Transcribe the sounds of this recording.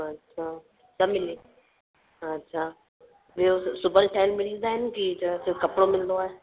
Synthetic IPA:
ɐtːɕʰaː | sɐmɪlẽ | ɐtːɕʰaː | biosʊbəɾʈaːɪlmɪɽĩd̪aːɦɪnɪkid͡ʑɐsɪfkɐpɽomɪlnd̪oaːɦe

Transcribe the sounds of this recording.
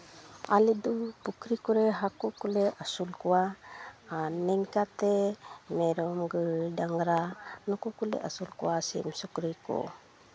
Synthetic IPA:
alɛd̪upukɾikuɾɛɦakuʔkulɛasulkuwa | anɛŋkat̪ɛmɛɾɔmɡɯdaŋɾanɔkukulɛ̰ʔasulkṵwasḭʔmsɔkɾikɔ̰

